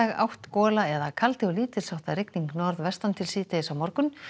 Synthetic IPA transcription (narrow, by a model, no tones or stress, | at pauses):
aɣa̰wht̪kɔːlaɛðakʰalt̪ɪɔliːt̪ɪ̥sawht̪aɾɪkniŋknɔɾðvɛst̪ant̪ʰɪlsiːt̪aɪsawmɔɾkʏn